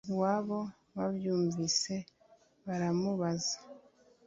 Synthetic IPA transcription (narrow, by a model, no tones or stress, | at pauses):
waːβo̞ | βabjuːɱvise̞ | βaɾamuβazḁ